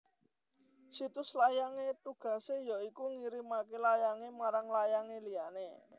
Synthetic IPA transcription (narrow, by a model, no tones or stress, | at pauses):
sit̪ʊslajaŋet̪uɡ̥a̤sejɔikuŋiɾimakelajaŋemaɾaŋlajaŋeliane